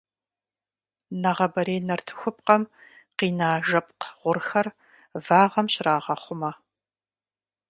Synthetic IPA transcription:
nɐʁɐbɐɾeːnɐrtʰɨ̥xʷʊp̚qɐm | qiːnaːʒɐp̚qʁ̥ʷʊrxɐr | vaːʁɐmɕɪɾaːʁɐχʷʊmɐ

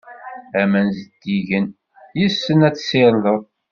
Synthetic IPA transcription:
æmænzəd̪̥ːiʝən | jisːənæt͡sːsɪɾləðˤ

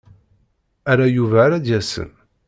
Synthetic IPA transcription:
æɾæjuvæɾæd̪jæsə̰n

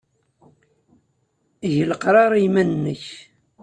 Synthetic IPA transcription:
ʝləqɾˤɑɾˤijmænːəç

